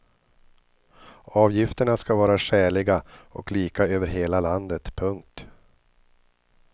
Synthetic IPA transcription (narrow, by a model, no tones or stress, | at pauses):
ɑːvjɪft̪əɳaskavɑːɾaʂæːɭɪɡaɔkliːkaøːvəɾɦeːlaland̪ət̪pʰɵŋk̚t̪